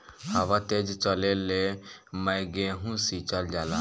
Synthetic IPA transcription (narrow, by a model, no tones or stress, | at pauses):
haʋat̪ed͡ʒt͡ʃəlelemə̃jɡẽɦũsit͡ʃəld͡ʒaːla̰